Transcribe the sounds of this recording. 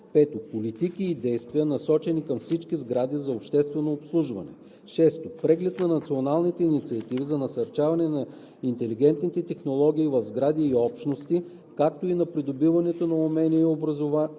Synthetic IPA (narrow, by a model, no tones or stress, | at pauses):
pɛt̪opolit̪ikiːd̪ɛjst̪vijənɐsɔt͡ʃɛnikɐmfsit͡ʃkizɡɾad̪izɐopʃt̪ɛst̪vɛnoːpslˠuʒvɐ̰nɛ̰ | ʃɛst̪opɾɛɡlɛt̪nɐnɐt̪sionalˠnit̪ɛinit̪siɐt̪ivizɐnɐsɐɾt͡ʃavɐnɛnɐ | int̪ɛliɡ̟ɛnt̪nit̪ɛt̪ɛxnolˠɔɡ̟ʲiːvɐvzɡɾad̪iːɔpʃt̪nost̪i | kak̚t̪oinɐpɾid̪obivɐnɛt̪onɐomɛniɛiobɾɐzova